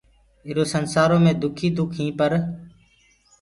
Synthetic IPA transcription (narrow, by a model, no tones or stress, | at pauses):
ɪɾoːsənsaːɾoːmẽːd̪ʊkʰiːd̪ʊkʰɦĩːpəɾ